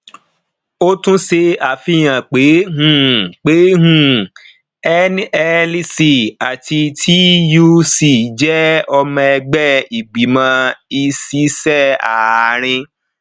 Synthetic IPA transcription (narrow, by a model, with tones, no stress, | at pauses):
o˦tũ˦se˧a˨fi˦˨j̃ã˨k͡pe˨˦ɦũ˦˨k͡pe˨˦ɦũ˦˨ | ɛ˦nɛ˦lsi˧˨a˨tʰi˧tʰi˦ju˦si˨d͡ʒɛ˦ɔ˧mã˧ɛ˧ɡ͡bɛ˦i˨ɡ͡bi˨mã˧i˧si˨˦sɛ˦˨a˨ɾ̃ĩ˧